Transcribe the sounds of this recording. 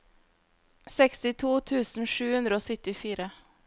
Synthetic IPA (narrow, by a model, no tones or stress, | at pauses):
sɛkst̪ɪt̪ʰuːt̪ʰʉːsn̩ʂʉːhʉnd̪ɾəoːsʏt̪ɪfiːɾə